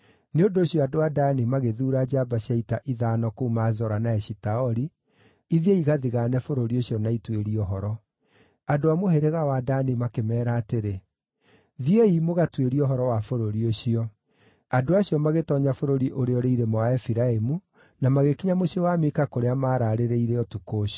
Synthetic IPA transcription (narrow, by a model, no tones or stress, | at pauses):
neondoːɕijɔadoadanimaɣeðuːɾad͡ʑabaɕaitaʔiðanɔkoumazɔɾanaɛʃitaɔɾi | iðieiɣaðiɣaːnɛfoɾoɾioɕjɔnaitweɾiɔɦɔɾɔ | adoamoheɾeɣawadaːnimakemɛːɾaːteɾe | ðieimoɣatweɾiɔɦɔɾɔwafoɾoɾioɕiɔ | adoaɕiɔmaɣetɔɲafoɾoɾiʔoɾeɔɾeiɾemɔaɛfiɾaemu | namaɣekiɲamoɕiewamekakoɾeamaːɾaɾeɾeiɾeɔtukoːɕ